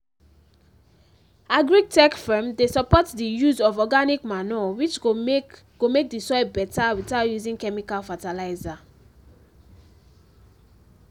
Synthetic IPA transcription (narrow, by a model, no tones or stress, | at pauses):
aɡɹik̚tɛkfɛ̃mdesɔpɔtdijuzɔvɔɡanikmanɔwit͡ʃ | ɡ̥omek̚disɔjbɛtawitatjuzĩŋkɛmikalfatalaɪza